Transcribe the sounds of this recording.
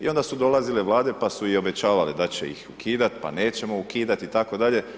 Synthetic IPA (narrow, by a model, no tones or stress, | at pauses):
io̞nd̪asud̪o̞lˠazileʋlˠaːd̪e̞pasuio̞be̞t͡ɕaːʋaled̪at͡ɕḛḭxukʰiːd̪at̪pa̰ne̞ːt͡ɕe̞mo̞ukiːd̪at̪it̪ako̞d̪aʎe̞